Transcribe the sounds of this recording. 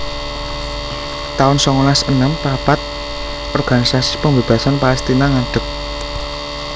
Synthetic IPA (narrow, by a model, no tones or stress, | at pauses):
t̪aʊnsɔŋlasənəmpapat̪̚ | ʔɔrɡ̥a̤nisasi̥pəŋbe̤b̥a̤sanpaɛst̪inaŋaɖ̥ə̤k̚